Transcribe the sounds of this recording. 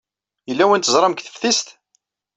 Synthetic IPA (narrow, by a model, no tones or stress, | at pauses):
jəlːæwænt̪əzˤɾˤɑmkθə̥fθist̪